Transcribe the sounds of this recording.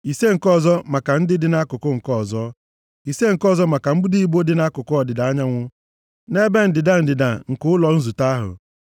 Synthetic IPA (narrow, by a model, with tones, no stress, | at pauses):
i˨se˦ŋ̩˨kɔ˦˨zɔ˦ma˨ka˨n̩˦dɪ˦dɪ˨˦na˦kʊ˨kʊ˦ŋ̩˨kɔ˦˨zɔ˦ | i˨se˦ŋ̩˨kɔ˦˨zɔ˦ma˨ka˨m̩˦bu˦di˦i˦bo˦dɪ˨˦na˦kʊ˨kʊ˦ɔ˨dɪ˨da˨a˦ɲa˦ŋʷʊ˦ | ne˦be˦n̩˨dɪ˨da˦˨n̩˨dɪ˨da˨ŋ̩˨kʊ˦ʊ˦lɔ˨n̩˦zu˨ta˦a˦ɦʊ̰˨